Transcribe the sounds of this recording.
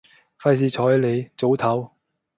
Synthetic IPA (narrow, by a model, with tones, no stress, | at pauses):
fɐ˧jsiː˨˧t͡sʰɔː˨˥˨le˨˧jt͡so˨˥wt̪ʰɐ˨˥w